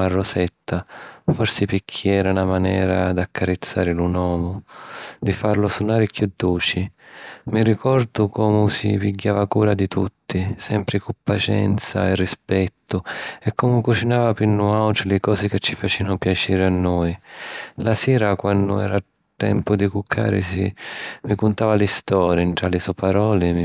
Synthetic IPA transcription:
arːʊsɛt̪ːafɔrsɪpikʰːiɛːɾanamanɛ̰ːɾad̪akʰːaɾɪt̪sːa̰ːɾɪlunɔːmʊd̪ifarlʊsunaːɾɪkjud̪ːuːt͡ʃimirikɔɾd̪ʊkɔːmʊsḭpiɡːaːvakuːɾad̪it̪ʰut̪ːisɛmpɾɪkupːat͡ʃɛ̰nt̪sa̰ɛrːispɛt̪ːʊɛkːɔmʊkut͡ʃinaːvapinːʊawtɾlɪkɔːzɪkɪt͡ʃːifat͡ʃiːvanʊpjat͡ʃiːɾɪanːɔːjlasɛːɾakwanːdʊɛ̰ɾa | t̪ːɛ̰mpʊd̪ikukʰːa̰ːɾɪ̰sḭmikʊnt̪aːvalɪst̪ɔːɾjɳʈ̪ɾalɪsɔpaɾɔːlɪm

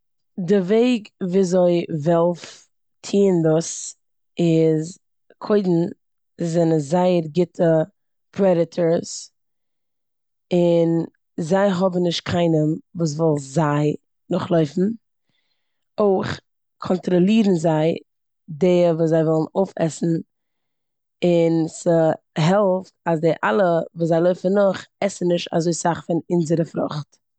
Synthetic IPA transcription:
dɪveɪɡviːzoɪvɛlˠf | tʰiːndʊs | ɪz | kʰoɪdn̩ | zɛnəzaɪəɾɡɪtʰə | pʰɾɛɾɪtʰəɹs | ɪn | zaɪɦɔbm̩nɪʃt̚kʰaɪnəmvuːs̬vɔlˠzaɪ | nʊχlˠoɪfn̩ | oɪχ | kʰɔntɾɔlˠiːɾn̩zaɪ | deːəvuːs̬zaɪvɔlˠnoʊfɛ̰sn̩ | ɪnsə | ɦɛlˠftasdɪʔa̰lˠəvuːszaɪlˠoɪfənʊχɛsn̩nɪʃta̰zoɪsaχfɪnɪnzəɾəfɾʊ̰χt

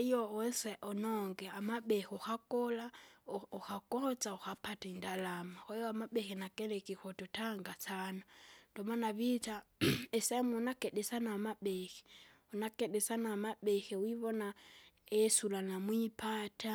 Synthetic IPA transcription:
joɔnsɛʔɔnɔŋɡɛamaɓexoxakolauxakot͡sauxapataindalamaxɛjɔamaɓexinakelɛkixotutaŋɡat͡sanad̥ɔmanaβitaesemunakeɗesanaːmaɓexi̥ | unakeɗɛsanaːmaɓɛxiwiβɔna | esulanamwipʰatʰa

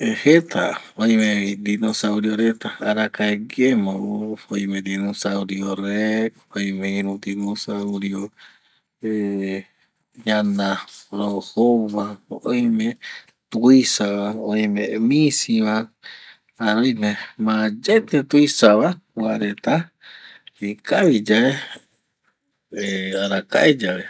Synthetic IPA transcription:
ehet̪ʰa | ojmeid̪inosawɾioɾet̪aaɾakaeɡemoufojmẽd̪inũsawɾjoɾek | ojmeinũd̪inosawɾjo | e | ɲanaɾohoβaoʔojmẽ | t̪uisaβaoimemisiβa | aɾojmẽmãd͡ʒet̪et̪uisaβakwaɾet̪a | ikaβid͡ʒae | eaɾaka̰ʔed͡ʒaβe

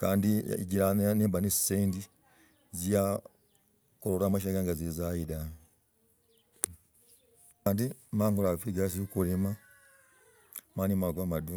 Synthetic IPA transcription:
kaːndḭɟiɾaneːmbanesseːndi | zija | koɾolamaʃ̬aɡaŋɡazizajida | kaːndimaːŋɡulafiɡas̬iukulema | manimaɡwamadu

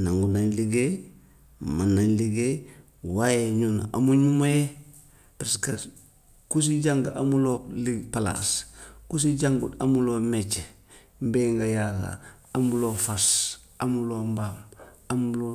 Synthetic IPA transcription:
naŋɡunaɲliɡe | manaɲliɡe | wajeɲuna̰ʔamuɲumaje | pɾeska | kus̬iɟaŋɡaʔamulolipala̰skus̬iɟaŋɡuamuloːmet͡ʃe | mbeːŋɡajaka̰ | amuloːfas | amulombam | amuulo

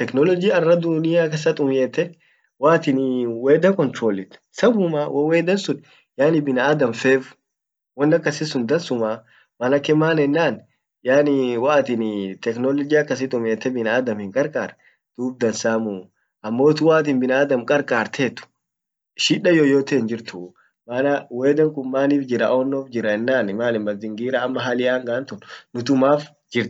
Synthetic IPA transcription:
t̪ɛknɔlɔd͡ʒɪɐrːɐd̪ʊnɪjaːkes̬ɐt̪ʼʊmjeːt̪ːɛ | waːt̪ɪnweːd̪ɐkɔnt̪ɾoːlːɪt̪ | sɐbʊmaːwʔɐweːd̪ɐnsʊn | jaːnɪbɪnɐaːd̪ɐmfeːfʊ̥ | wɔnːɐkːɐsɪsʊnd̪ɐnsʊmaː | mɐnɐkːɛmaːnɛnːaːn | jaːnɪwaːt̪ɪnt̪ɛknɔlɔd͡ʒɪɐkːɐs̬ɪt̪ʼʊmeːt̪ːɛbɪnaːd̪ɐmhɪŋkʼɐɾkʼaːɾɛ | d̪̥uːb̚d̪ɐnsaːmu | ʔɐmːoːt̪ʊwaːt̪̬ɪnbɪnaːd̪ɐmkʼɐɾkʼaːɾt̪ʰeːt̪ʊ̥ | ʃiᶑːɐjoːjoːt̪end͡ʒɪɾt̪ʊ | maːnɐweːd̪ɐŋkʼʊmːaːniːfd͡ʒɪɾɐʔoːnːoːfd͡ʒɪɾɐɛnːaːnmaːnɪnbɐld̪ɪŋɡiːɾaːmːɐɦalɪʔaːŋɡaːnt̪ʊnnʊt̪ʊmaːf | d͡ʒɪɾt̪

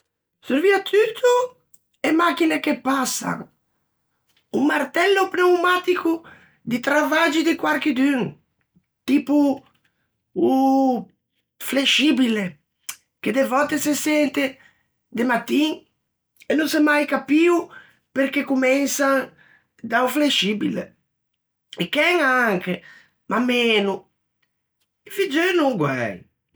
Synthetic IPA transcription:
suɾviat̪ʰyt̪ʰu | emakinekepasa̰ | uŋmart̪ɛlːopnewmat̪iku | d̪it̪ɾavad͡ʒid̪ikwaɾk̟id̪yŋ | t̪ipu | u | fleʃibile | ked̪evɔt̪esesɛnt̪e | d̪emat̪ːiŋ | enũsɛmajkapiw | peɾkekumɛnsaŋ | d̪awfleʃibilḛ | ekɛŋaŋke | mʔamenu | efid͡ʒenuŋɡwɛ̰j

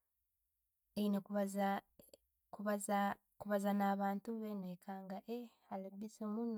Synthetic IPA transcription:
einekβz | kuβaz | kuβazanaːβaːntuβenekʰaːŋɡaʔe | alebisemun

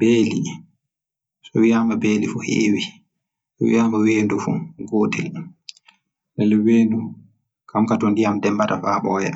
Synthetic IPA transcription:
beːli | sɔwijamabeːlifuhḛːwi | sɔwḭjaːmaweːndufṵɡoːdɛl | nɛlɛweːndu | kamkatɔndijamdɛmbatafaːɓɔjɛ̰

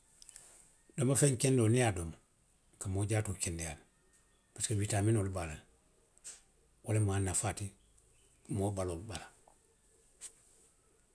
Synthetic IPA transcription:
domafeɲkendonijadoma | kamoɟaːtokendejaːn | paskawiːtaːminolibalan | wʔalemaːnːafati | moːbaloːlbala

